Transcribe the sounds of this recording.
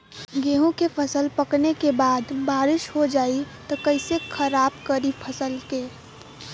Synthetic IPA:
ɡeːɦõkepʰəsəlpəknekebaːd̪baːɾɪʃɦod͡ʒaːit̪ɔkəɪsekʰəɾaːbkəɾipʰəsəlkeː

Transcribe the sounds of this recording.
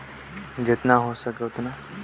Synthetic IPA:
d͡ʒɪt̪naɦosɐkeʊt̪na

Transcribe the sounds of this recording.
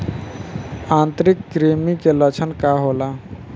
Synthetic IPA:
ãnt̪ɾikːɾimikelət͡ʃʰənkaɦola

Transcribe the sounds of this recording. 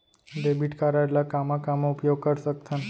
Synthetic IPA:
ɖebiʈkaɾaelakamãkamoupjoɡ̚kəɾʃək̚t̪ʰən

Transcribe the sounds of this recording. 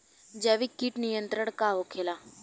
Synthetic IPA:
d͡ʒɛːʋikiʈnijə̃nt̪ɾəɽ̃kaɦokʰeːlaː

